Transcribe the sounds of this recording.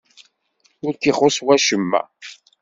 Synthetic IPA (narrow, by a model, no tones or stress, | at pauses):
ʊɾkiχoswæʃəmːæ̰